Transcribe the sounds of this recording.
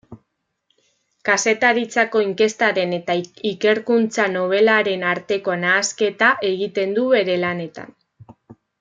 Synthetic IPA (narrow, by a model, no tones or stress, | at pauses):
kase̞t̪aɾit͡sako̞iŋke̞st̪aɾe̞net̪aike̞ɾkunt͡sano̞β̞e̞laɾe̞naɾt̪e̞ko̞naːske̞t̪aʔe̞ɣit̪e̞nd̪uβe̞ɾe̞lane̞t̪a̰n